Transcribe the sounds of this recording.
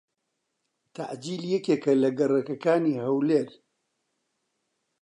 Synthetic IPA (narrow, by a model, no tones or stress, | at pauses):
t̪ʰa̰ʔd͡ʒiːljɛkeːkɐlɐɡɐrˤɐkɐkaːniːhɐwleːɾ